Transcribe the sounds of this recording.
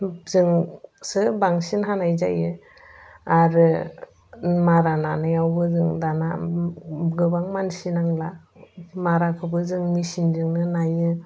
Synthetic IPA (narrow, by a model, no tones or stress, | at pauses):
zɯŋsɯbaŋsinɦanajza̰jɯ | aɾɯ | maɾananɯjawbɯzɯŋdana̰ | ɡɯbaŋmansinaŋla | maɾakʰɯbɯzɯŋmisinzɯŋnɯnajɯ